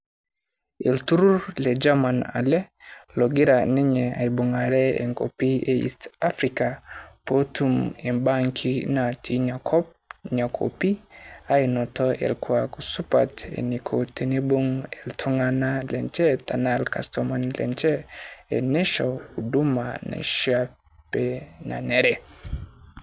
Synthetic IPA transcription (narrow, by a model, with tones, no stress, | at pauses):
ɛ˨ltu˦ɾu˦ɾlɛ˨d͡ʒa˦ma˨na̰˨lɛ˦ | lɔ˨ɡi˦ɾanɛ˦ɲɛ˨a̰˨i˨bo˨ŋa˨ɾɛ˦ɛ̰˨ŋko˨pi˦eḭ˨sta˦fɾika˨po˦tʰumɛ˨mbaŋkʰina˨tʰi˨ɲakʰɔ˦p | ɲa˨kʰo̰˨pi˦a˦i˨nɔ˨tɔɛ̰˨lkʰwa˨ku˨su˦pa̰˨tḛ˨ni˨kʰote˨ne˦bu˦ŋɛ˨ltʰo˦ŋa˦na˦lɛ˨nt͡ʃɛ˦ta˨na˦lka̰˨stɔma˦nlɛ̰˨nt͡ʃɛ˦ɛ̰˨nɛ˦ʃɔ˨u˨du˦ma̰˨na̰˨ʃa | pɛ˨na̰˨nɛ˨ɾɛ˨